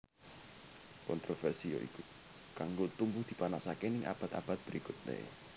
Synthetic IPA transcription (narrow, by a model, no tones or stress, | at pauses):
kɔnt̪ɾofɛrsijo̰ʔḭku | kaŋɡot̪umbʊhd̪̥i̤panasakenɪŋʔa̰b̥a̤t̪ab̥a̤t̪̚b̥əɾikʊt̪̚nḛ